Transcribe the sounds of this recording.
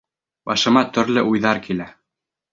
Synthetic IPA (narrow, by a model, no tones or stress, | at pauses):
bɑʃɤ̆mɑt̪ɵ̆ɾlɘʔujðɑɾkilæ